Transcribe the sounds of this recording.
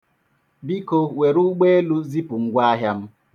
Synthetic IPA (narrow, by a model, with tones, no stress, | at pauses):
bi˦ko˨we˨ɾu˦ɡ͡beː˦lu˦zi˦pu˨ŋ̩˦ɡʷwaː˦ɦja˦m̩˦